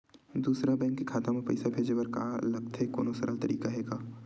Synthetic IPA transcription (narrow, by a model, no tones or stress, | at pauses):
d̪uːsɾabɛ̃ːŋkːekʰaːt̪amẽpɐ̰ɪsabʱeːd͡ʒewɐɾka̰ːlɐɡt̪ʰeko̰ːnosəɾəlt̪ɐɾiːkaɦɛːɡaː